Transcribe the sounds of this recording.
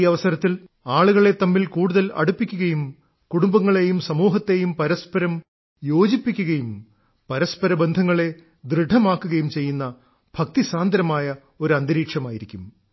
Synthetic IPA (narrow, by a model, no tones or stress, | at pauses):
iɐʋɐsɐɾɐt̪ːil | aːɭuɣɐɭe̞t̪ːɐmːilkuːɽuðɐlɐ̰ɽupːikʲːuɣɐjum | kuɽumbɐŋːɐɭe̞jumsɐmuːɦɐt̪ːe̞jumpɐɾɐspɐɾɐm | jo̞ːd͡ʑipːikʲːuɣɐjum | pɐɾɐspɐɾɐbend̪ʱɐŋːɐɭe̞ | d̪rɨɖʱɐmaːkːuɣɐjumt͡ɕe̞jːunːɐ | b̥ʱɐk̚t̪isaːnd̪ɐɾɐmaːjɐ | o̞ɾuɐnd̪iɾiːkʂɐmaːjiɾikʲːum